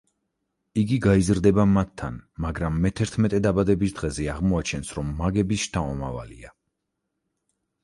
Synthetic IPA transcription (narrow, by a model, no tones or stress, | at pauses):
iɡiɡaizɾd̪ɛbamat̪ʰːa̰nmaɡɾamːɛt̪ʰɛɾt̪ʰmɛt̪ʼɛd̪abad̪ɛbisd̪̥ʁɛzɛaʁmɔat͡ʃʰɛnsɾɔmːaɡɛbiʃt̪ʰaɔma̰va̰lḭa